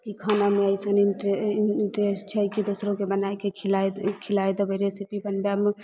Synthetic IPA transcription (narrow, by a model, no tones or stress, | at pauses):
kikʰanameəɪsəninʈeinʈɾesʈt͡ʃʰɛkid̪osɾõkebənajkekʰlakʰilajd̪əbəɾesipibənbjame